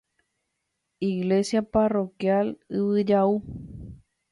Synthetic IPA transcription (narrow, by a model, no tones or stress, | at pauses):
iɣlesjaparo̞kjalɨβɨd͡ʒau